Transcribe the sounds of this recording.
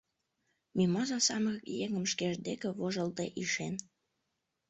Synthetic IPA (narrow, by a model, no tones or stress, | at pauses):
mimɑzɑsɑməɣɤkjeŋəmʃkeʒd̪ekĕβoʒəlt̪eʔiʃen